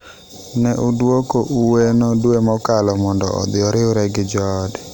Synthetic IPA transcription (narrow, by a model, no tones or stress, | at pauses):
nɛʔudwokoʔuwenodwemɔkalɔmɔndɔ̰ɔ̰d̪ɪɔɾɪʊɾɛɡɪd͡ʒɔd